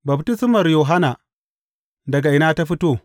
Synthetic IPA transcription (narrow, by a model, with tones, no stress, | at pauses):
bɐ˨ptɪ˦sɪ˦mɐ˨rjoː˨ɦa˦na˨ | dɐ˨ɡa˨ɪ˨˦naː˦ta˦ɸi˦toː˦˨